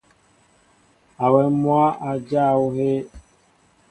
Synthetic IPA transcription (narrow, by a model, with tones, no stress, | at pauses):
a˨wɛ˨mwa˦a˨d͡ʒa˦˨wu˦he˦